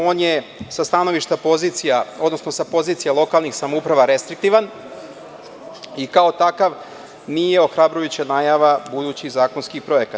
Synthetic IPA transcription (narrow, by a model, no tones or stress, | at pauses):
o̞ːnjesast̪ano̞ʋiʃt̪apo̞zit̪sijao̞d̪no̞sno̞sapo̞ziːt̪sijalˠo̞kalˠnixsamoupɾaʋaɾe̞st̪ɾik̚t̪iʋan | ikao̞t̪akaʋ | nijeo̞xɾabɾujut͡ɕanaːjaʋabud̪uːt͡ɕizaːkonskipɾo̞jekat̪